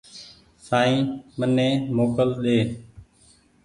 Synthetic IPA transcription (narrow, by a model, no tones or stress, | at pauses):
saːĩːmənẽːmoːkəlɗ̪eː